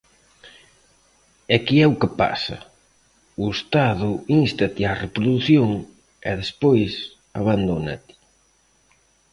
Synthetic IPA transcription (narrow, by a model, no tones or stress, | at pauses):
ɛkiɛukɪpa̰sɐ̰ | uest̪aðʊinst̪at̪iarepɾoðuθjoŋ | ɛ̰ðespojs | aβand̪ona̰t̪i̥